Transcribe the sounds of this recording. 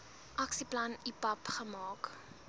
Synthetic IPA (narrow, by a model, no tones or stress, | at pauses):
ʔɐksiplɐnipɐpχəmɑːk